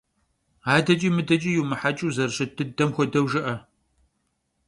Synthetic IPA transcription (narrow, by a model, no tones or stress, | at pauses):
aːdɐt͡ʃʼiːmɨdɐt͡ʃʼijumɨħat͡ʃʼuwzɐrɕɐtʰɨdɐmxʷɔdɐwʒɨʔɐ